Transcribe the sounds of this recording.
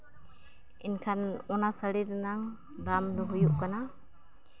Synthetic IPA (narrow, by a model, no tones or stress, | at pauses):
inkʰanɔnasaɾiɾnaŋ | damd̪ɔɦujuʔkana